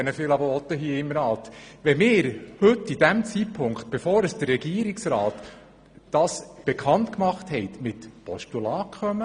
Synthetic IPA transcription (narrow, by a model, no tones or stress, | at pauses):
ɛnəfɪːlɑbəɔt̪ːəɦiəɪmnɑːlt̪ʋɛmɪːɾhɵtːidæmt͡sipʰʊŋkχt̪̚b̥efɔːɾəsd̥ərːɛɡiəɾiksɾɑːtː | ɑːsb̥ɛkʰɑntkmɑχthɛɪtmɪt̪pʰɔʃtulɑːkχœmə